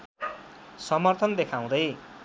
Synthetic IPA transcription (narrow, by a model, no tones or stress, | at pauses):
sʌmʌrt̪ʰʌnd̪ekʰaw̃d̪ʌj